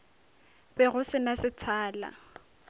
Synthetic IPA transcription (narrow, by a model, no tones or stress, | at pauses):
bɛɣʊsɪnasɪt͡sʰaːla̰